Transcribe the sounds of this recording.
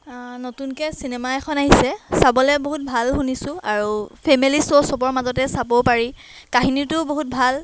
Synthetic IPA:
notunkɛsinɛmaɛkʰɔnaɦisɛsabɔlɛboɦut̚bʱalɦunisʊ̃aɹupʰemilisosɔbɔɹmazɔtɛsabopaɹi | kaɦinitʊboɦut̚bʱal

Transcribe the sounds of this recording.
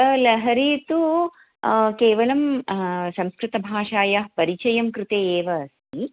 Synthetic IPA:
lɐɦɐɾiːt̪u | keːʋɐlɐmsɐmskɾɪt̪ɐbʱaːʂaːjɐpɐɾit͡ʃɐjɐmkɾɪt̪eːeːʋɐːsi

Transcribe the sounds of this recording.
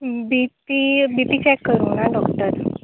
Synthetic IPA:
bipibipiːt͡ɕɛkːəɾũːnaɖɔkt̪əɾ

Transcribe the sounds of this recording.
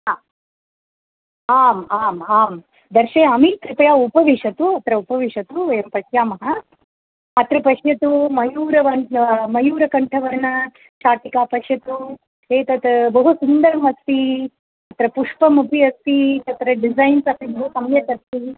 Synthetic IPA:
aː | aːmaːmaːm | d̪ɐɾʃeːɐmikɾipɐjaːupɐʋiʃɐt̪uɐt̪ɾɐupɐʋiʂɐt̪uʋɐjɐmpɐʃjaːmɐɦɐ | ɐt̪ɾɐpɐʃjɐt̪umɐjuːɾɐʋɐmɐjuːɾɐkɐɳʈʰɐʋɐɾnɐ | ʃaːʈ̪ikaːpɐʃjɐt̪u | eːt̪ɐt̪bɐɦusund̪ɐɾɐmɐst̪i | ɐt̪ɾɐpuʂpɐmupʰiɐst̪it̪ɐt̪ɾɐɖizajnsɐp̪ibɐɦusɐmjɐt̪ɐst̪i

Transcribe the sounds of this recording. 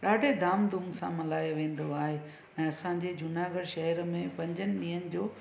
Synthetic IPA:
ɗaːɖʱed̪aːmd̪ʱumsã̰mɐlaːjoʋẽːn̆d̪oaːɦe | ɛ̃ːɐsãɲd͡ʑed͡ʑʊnaːɡəɽʃɐɦəɾmẽpɐ̃ɲd͡ʑənɪ̆ɗĩːənɪ̆d͡ʑoː

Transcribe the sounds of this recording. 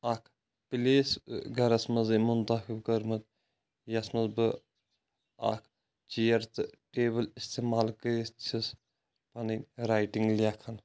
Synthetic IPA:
akʰ | pileːsɡɐɾɐsmɐzɨmunt̪ɐxibkəɾmɨt̪ | jɐsmɐzbɨ | a̰kʰ | t͡ʃijɐɾt̪ɨʈeːbɨlist̪eːmaːlkəist͡ʃʰis | pɐniɾaːjʈiŋɡlʲaːkʰɐn

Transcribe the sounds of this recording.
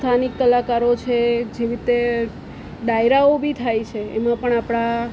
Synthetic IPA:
t̪ʰanik̚t̪əlakaɾot͡ʃʰed͡ʒeɾit̪e | ɖajɾaobʱit̪ʰajt͡ʃʰeemãpəɳapɽ̃a

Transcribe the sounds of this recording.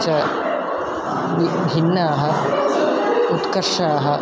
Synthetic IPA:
t͡ʃɐ | ibʱinːɐːɦɐ | ut̪kɐɾʂaːɦɐ

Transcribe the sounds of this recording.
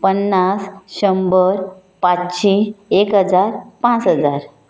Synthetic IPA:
pənːasɕəmbəɾ | pat͡sɕĩsekɦəd͡zaɾpãt͡sɦəd͡zaɾ

